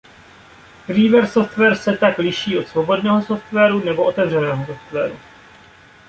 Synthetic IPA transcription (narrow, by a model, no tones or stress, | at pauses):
ɾiːvɛɾsoft̪vɛːɾsɛt̪aklɪʃiːo̞t̪svobo̞dnɛːɦoso̞ft̪vɛːɾunɛbo̞ʔot̪ɛvr̝ɛnɛːɦosoft̪vɛːɾu